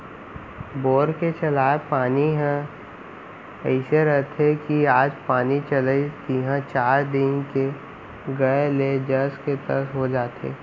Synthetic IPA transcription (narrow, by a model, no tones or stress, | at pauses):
boːɾket͡ʃɐlaːepaːniɦɛ̃ | ɛɪseɾɐɦt̪ʰekiaːd͡ʒpaːnit͡ʃɐləit̪iɦãt͡ʃaːɾd̪ɪ̃nke | ɡɐeleːd͡ʒɐsket̪ə̰ɾsɦod͡ʒaːt̪ḛː